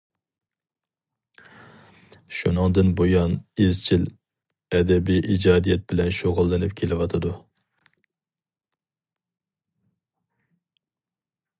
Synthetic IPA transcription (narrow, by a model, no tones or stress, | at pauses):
ʃunɨŋd̪ɨnbojɑnezt͡ʃʰil | ɛd̪ɛbijʔid͡ʒɑːd̪ijɛt̪̚bɪlɛnʃoʁʊlˠːɨnɪpkʲʰelɪwɑt̪ʰɨd̪u